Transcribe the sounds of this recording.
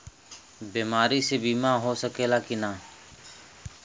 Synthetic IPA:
biːmaːɾisebiːmaɦosəkeːlakinaː

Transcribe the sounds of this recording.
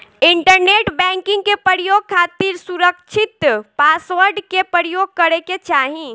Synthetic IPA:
ɪɳʈəɾneːʈbɛ̃ŋkɪ̃ŋɡkepɾəɾijoːɡ̚kʰaːt̪iɾsuɾəkt͡ʃʰɪt̪paːsʋəɾɖkepɾəɾijoɡ̚kəɾeket͡ʃaːɦĩ

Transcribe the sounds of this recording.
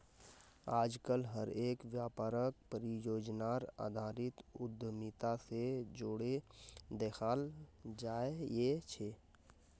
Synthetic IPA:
aːd͡ʒkəlɦəɾeːkʋjaːpaːɾək̚pəɾijoːd͡ʒnaɾa̰ːd̪ʱaːɾɪt̪ʊd̪ʱːmit̪ased͡ʒoːɽed̪eːxʰaːld͡ʒaːejet͡ʃʰeː

